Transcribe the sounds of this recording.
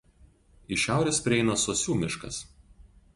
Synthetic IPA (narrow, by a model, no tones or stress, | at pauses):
ɪʃʲæˑʊɾʲespʲɾʲɪɛɪnɐsoːsʲuːmʲɪʃkɐ̰s